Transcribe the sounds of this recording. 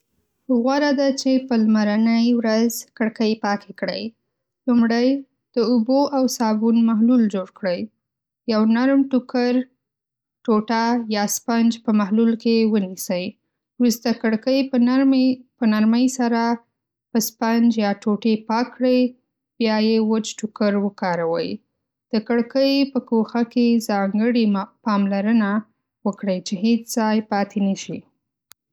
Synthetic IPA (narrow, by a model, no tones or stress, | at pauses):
ɣwaɾad̪at͡ʃepəlmaɾanəjwɾazkəɽkəjpɑkekɽə̰j | lumɽəj | d̪̥əuboʔawsɑbunmaɦluld͡ʒoɽkɽəj | jawnaɾmʈukaɾ | ʈoʈajɑspand͡ʒpəmahlulkewənisəj | wɾust̪akəɽkəj | pənaɾməjsaɾa | pəspand͡ʒjɑʈoʈepɑkɽəj | bjɑjewət͡ʃʈʊkaɾwəkɑɾawə̰j | d̪̥əkəɽkəjpəkoxakezɑŋɡəɽipɑmlaɾəna | wəkɽəjt͡ʃeɦet͡ʃz̥ɑjpɑt̪ʰenaʃi